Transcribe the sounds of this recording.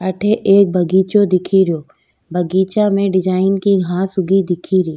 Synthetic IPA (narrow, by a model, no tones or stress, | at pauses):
ɐʈʰeʔeːk̚bʱɐɡiːt͡ʃod̪ɪkʰiɾɪjoː | bʱɐɡiːt͡ʃãmẽɖɪd͡ʒaːɪnkiɡʱãːsʊɡʱid̪ɪkʰiɾiː